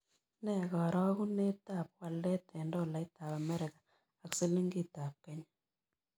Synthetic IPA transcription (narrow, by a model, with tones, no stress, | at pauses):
nɛ˦˨ɣɔ˨ɾɔ˦ɣu˦ne˦ta˦˨p̚wa˨ldɛ˦tɛ˨ndɔ˦˨la˨i˦ta˨pa˨mɛ˦ɾɪ˨kḁ˨ | a˨kse˦li˦ŋɡi˦ta˨p̚kɛ˦ɲa